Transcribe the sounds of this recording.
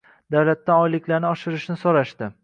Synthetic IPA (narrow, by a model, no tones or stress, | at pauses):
d̪̥awlat̪ːaɒjlɪkʲʰlaɾnɪɒʃɪɾɪʃnɪsoɾaʃt̪ɪ